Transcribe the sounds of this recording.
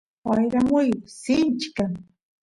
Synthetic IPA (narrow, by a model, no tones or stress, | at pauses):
wajɾamʊjsɪnt͡ʃkaŋ